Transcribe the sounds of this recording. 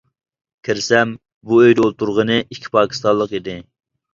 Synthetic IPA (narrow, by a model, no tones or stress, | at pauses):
kʲʰɪɾɪsɛm | buøjd̪ɛolˠt̪uɾʁənɨʔikʲʰːi̥pʰɑːkʲʰi̥st̪ɑlˠəqid̪ɪ